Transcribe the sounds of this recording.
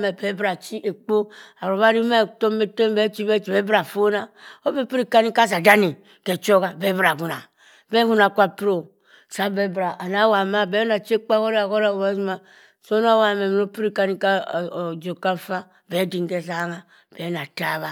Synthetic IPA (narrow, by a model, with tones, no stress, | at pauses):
me˨be˦bɾa˨t͡ʃi˦ʔe˨k͡po˦a˨ɾo˨βa˦ɾi˦me˦˨to˦me˦te˦m˦be˦t͡ʃi˦be˦t͡ʃi˨be˦bɾa˨fo˦na˦o˦be˦pi˦ɾi˦˨ka˦ni˦ka˦s̬a˨da˦ni˨ | ke˨t͡ʃo˦ɡa˨be˦bɾa˨ɡu˨na˨ | be˦ɡu˦na˨kʷa˦pɾo˨ | sa˦be˦bɾa˨ʔa˨na˦wa˨ma˦be˦na˨t͡ʃe˦k͡pa˦ko˦ɾa˨ko˦ɾa˦o˨ba˦zi˦ma˨ | so˦na˦wa˦˨me˨mi˨no˦pi˦ɾi˦ka˦ni˦ka˦˨d͡ʒo˨ka˦fa˦ | be˨˦di˨ŋ˨ɡe˦s̬a˦ŋa˨ | b̥ɛ˨˦na˨ta˦˨βa˦